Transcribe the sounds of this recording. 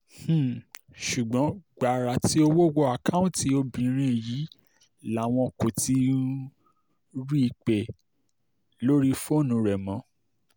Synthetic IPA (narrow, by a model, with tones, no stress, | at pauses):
h̩˦˨ | ʃu˨ɡ͡bɔ̃˨˦ɡ͡ba˨ɾa˨ti˨˦o˧wo˦wo˦a˨ka˦ũ˦ti˧˦o˧bĩ˨˦ɾ̃ĩ˧˨ji˨˦ | la˨˦˨w̃ɔ̃˧˨ko˨ti˧˦ | ɾi˦i˧k͡pe˨ | lo˦ɾi˦fo˦˨nũ˨˧˦ɾɛ˨mɔ̃˨˦